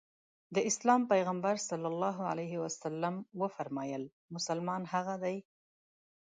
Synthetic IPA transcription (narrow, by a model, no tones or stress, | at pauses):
d̪əɪslɑmpajɣambaɾsalːalːɑɦʊa̰lajɦɪwasalːamwəfaɾmɑjəl | mʊsalmɑnhaɣad̪aj